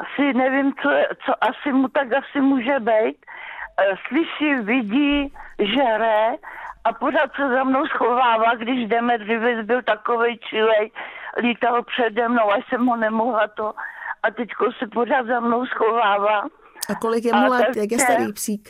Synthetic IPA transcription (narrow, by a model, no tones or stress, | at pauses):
asɪnɛvɪmt͡soɛt͡soʔasɪmut̪akasɪmuːʒɛbɛjt̪ | slɪʃɪvɪɟiːʒɛɾɛʔaporaːt̪sɛzamno̞wsxo̞vaːvaːɡdɪʒdɛmɛdrɪvɛt͡sbɪlt̪akovɛjt͡ʃɪlɛjliːt̪alpr̥ɛdɛmnowaʃsɛmɦonɛmoɦlat̪oʔat̪ɛckosɛporaːd̪zamnowsxovaːvaː | akolɪk̬jɛmulaajak̬jɛst̪aɾiːpsiːk